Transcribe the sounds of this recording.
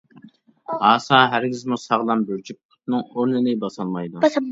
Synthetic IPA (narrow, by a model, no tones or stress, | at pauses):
hɑːsɑːɦæɾɡʲizmusɑʁlˠɑmbøɾt͡ʃʰyp̚kʰʊ̥t̪nɨŋoɾnɨnɪbɑsɑlˠmɑjd̪u